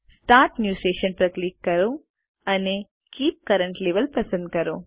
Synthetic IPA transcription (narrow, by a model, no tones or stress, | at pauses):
sʈaːɾʈnjuːseːʃɐnpɾɐkliːkːɐɾo | ɐne | kiːp̚kɐɾɐɳʈleʋɐlpɾɐsɐ̃nd̪̚kɐɾo